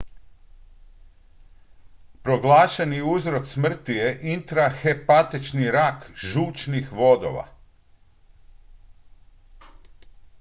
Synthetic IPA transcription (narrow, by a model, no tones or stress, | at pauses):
pɾo̞ɡlˠaːʃeniuzɾo̞ksmr̩t̪ije̞ʔint̪ɾaxepat̪it͡ʃniɾakʒuːt͡ʃnixʋo̞d̪o̰ʋa̰